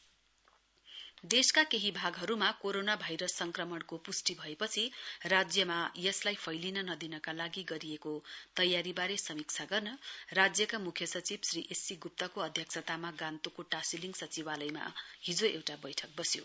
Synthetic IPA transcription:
d̪eskakeɦibʱaɡɦʌɾumakoɾonabʱajɾʌsːʌŋkrʌmʌɳkopusʈibʱʌepʌt͡sʰirad͡zjʌmajʌslajpʰʌjlinʌnʌd̪inʌkalaɡiɡʌɾiekot̪ʌjːaɾibaɾesʌmik̚t͡sʰaɡʌrnʌrad͡zjʌkamukʰjʌsʌt͡sibsriʔesiɡup̚t̪ʌkoʌd̪ʱjʌk̚sʰʌt̪amaɡãnt̪okoʈasiliŋɡsʌt͡sibalʌjma̰ɦid͡zoewʈabʌjʈʰʌk̚bʌsjo̰

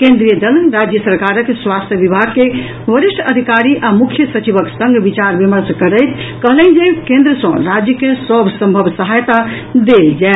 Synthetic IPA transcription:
kẽnd̪ɾijəd̪əlɾad͡ʒjəsəɾkaɾəkːeswast̪ʰjəbibʱaɡ̚ke | bəɾiʃʈʰəd̪ʱikaɾiʔamukʰjəsət͡ʃibəksə̃ŋɡʱbit͡ʃaɾbiməɾskəɾəɪt̪ʰkəɦlɛnd͡ʒekẽnd̪ɾəsə̃ɾad͡ʒjəkesəbʱsə̃mbʱəbsəɦajt̪a | d̪eld͡ʒae

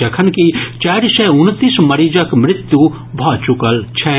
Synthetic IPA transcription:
ɐkʰənkit͡ʃɛːɾsɛʊnt̪ismɐɾiːd͡ʒəkmɾɪt̪ju | bʱɔːt͡ʃukəlt͡ʃʰɛ

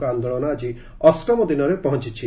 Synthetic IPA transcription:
kɔand̪oɭɔnɔad͡ʒi | ɔskɾɔmɔd̪inɔɾepɔɦɔnt͡ʃit͡ʃʰi

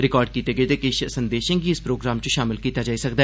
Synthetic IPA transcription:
ɾɪkɔːɾɖ̚kiːt̪eːɡəeːt̪ekeʃsənd̪eːʃə̃ːɡiɪspɾoːɡɾaːmt͡ʃõʃaːmɪlkiːt̪aːd͡ʒaːisəkd̪aː

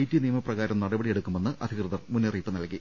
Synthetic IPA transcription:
jtːinijɐmɐprɐɣaːɾɐmnɐɽɐbɐɽije̞ɽukːume̞nːɨʔɐd̪ʱikrɨðɐrmunːiriːpːɨnɐlki

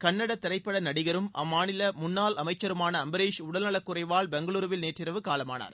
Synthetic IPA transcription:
kɐɳːɐɽɐt̪ːɪɾɐɪpːɐɽɐnɐɽɪɣɐɾɯmʔɐ̰mːaːnɪlɐmʊnːaːlɐmɐɪt͡ʃːɐɾɯmaːnɐːmbɐɾeːʂʊɽɐlnɐɭɐkːʊrɐɪʋaːlbɛŋɡɐɭuːɾɯʋɪlneːʈrɪɾɐʋɯkaːlɐma̰ːna̰ːɾ

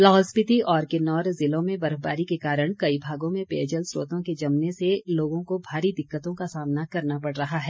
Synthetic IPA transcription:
laːɦɔspɪt̪iʔɔːɾkɪnɔːɾzɪlõmẽbɐɾba̰ːɾikekaːɾəɽ̃kɐibʱaːɡõmẽpḛːd͡ʒəlsɾo̰ːt̪õked͡ʒɐmneseloːɡõkobʱaːɾid̪ɪkːət̪õkasaːmnakɐɾnapɐɽɾɐɦaɦɛː

